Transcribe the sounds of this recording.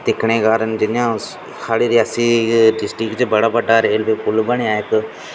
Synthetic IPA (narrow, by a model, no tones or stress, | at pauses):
d̪ɪkʰɳeːkaːɾənd͡ʒɪnjãː | saːliːɾɪjaːsiːɖɪsʈɾɪkt͡ʃbəɽaːbəɖaːɾeːlʋeːkʊlbəɳeːaːɪk